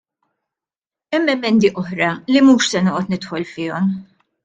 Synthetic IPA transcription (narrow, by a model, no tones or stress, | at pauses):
ɛmːɛmːɛnd̪iʔɔħɾɐlimuːʃsɛnoːʔɔt̪nɪt̪ħɔlfɪːɔm